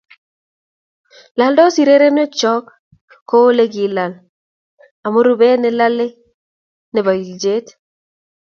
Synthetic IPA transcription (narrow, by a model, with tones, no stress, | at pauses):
la˨ldɔ˦si˨ɾe˦ɾe˦nɔ˦t͡ʃɔ˦k | kːo˦o˦le˦ɡi˨la˨l | a˨mo˦ɾu˦be˦nɛ˨la˦le˦ | nɛ˨ba˨i˨ld͡ʒe˦t